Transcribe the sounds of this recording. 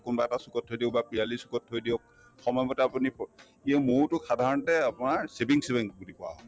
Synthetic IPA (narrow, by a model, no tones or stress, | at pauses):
kunbaɛtasukɔtʰːojdiɔ̃bapɹialisu̥kɔtʰːojdiɔk | xɔmɔjbɔtɛapunip | iamʊɹtʊxadʱaɹɔntɛapʊnaɹsebiŋsebiŋbudipɔa̰ɦɔ